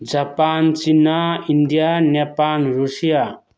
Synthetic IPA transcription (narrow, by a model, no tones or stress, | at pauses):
d͡ʒapant͡ʃinaind̪ijanepanɾusija